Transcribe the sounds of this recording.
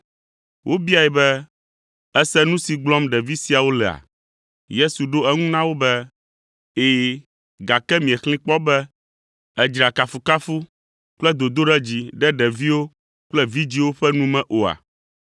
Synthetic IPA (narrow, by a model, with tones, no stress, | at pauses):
wʔo˦bi˦a˨ɛ˨bɛ˦ | ɛ˦sɛ˦nũ˦si˨ɡ͡blɔ˦mɖɛ˨vi˦si˨a˨wo˦lɛ˨a̰˨ | je˦su˨ɖo˦ɛ˦ŋũ˦nã˦wo˦bɛ˦ | eː˨ | ɡa˨kɛ˦mĩ˨ɛ˨xlĩ˦k͡pɔ˦bɛ˦ | ɛ˦d͡ʒɾa˨ka˨fu˨ka˦fu˦ | k͡plɛ˦d̪o˨d̪o˦ɖɛ˦d͡ʑi˦ɖɛ˦ɖɛ˨vi˦wo˦ | k͡plɛ˦vi˦d͡ʑi˦wo˦ɸɛ˦nũ˦mɛ̃˨ʔo˨a̰˨